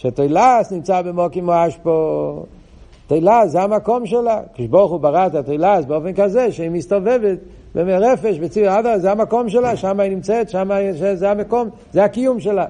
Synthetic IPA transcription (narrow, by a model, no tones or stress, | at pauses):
ʃeat̪ejlasnimt͡sabemokimoaʃpo | t̪ejlaszeamako̞mʃelakd̪ʃboʁχubaʁaet̪at̪ejlasbeofenkazeʃeimist̪ovevet̪ | bemeʁefeʃbet͡siadazeamako̞mʃ̬elaʃamainimt͡set̪ʃamaʃezeamako̞m | zeakijumʃela